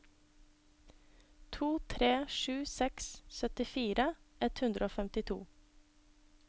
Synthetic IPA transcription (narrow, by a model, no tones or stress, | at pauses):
t̪ʰuːt̪ʰɾeːʃʉːsɛkssœt̪ɪfiːɾʔəʔɛt̪hʉnd̪ɾəoːfɛmt̪ɪt̪ʰṵː